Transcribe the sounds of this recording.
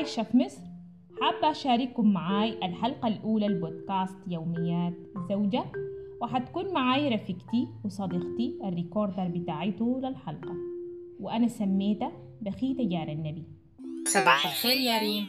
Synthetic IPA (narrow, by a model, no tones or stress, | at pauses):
ʃafmɪsˤɾ | ħaːbːaʔʃaːɾɪkːʊmːaʕaːjalħalqalʔuːlalbod̪kaːst̪jawmijːaːt̪zawd͡ʒawɪħat̪ḁkuːnmaʕaːjɾˤɑfikt̪iwɪsˤɑd̪iqt̪iʔarːikoɾd̪ɑɾˤbɪt̪aːʕit̪uːlalħɑlqɑ | wɪʔanasamːeːt̪a | baxiːt̪ajaːɾˤanːabi | sˤɑbɑːħaxeːɾjaːɾiː